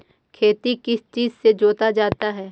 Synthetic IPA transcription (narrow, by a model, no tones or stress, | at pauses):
kʰeːt̪ikɪst͡ʃiːzsed͡ʒoːt̪ad͡ʒaːt̪aɦɛː